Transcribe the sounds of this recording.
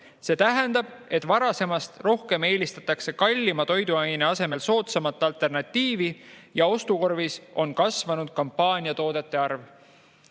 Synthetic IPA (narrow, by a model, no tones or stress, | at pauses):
se̞ːt̪æɦɛnd̪̥ɑb̥e̞t̪ːˑvɑɾɑse̞mɑst̪ro̞hke̞me̞ːlist̪ɑ̥t̪ːˑɑkse̞kɑlʲːimɑt̪o̞jd̪uɑjneɑse̞me̞lso̞ːt̪sɑmɑt̪ːˑɑlt̪ːˑe̞rnɑt̪ʲːiːvijɑo̞st̪uko̞rvisʔo̞nkɑsvɑnud̪̥̚kɑmpːɑːnʲiɑt̪o̞ːd̪̥e̞t̪ːˑe̞ɑrv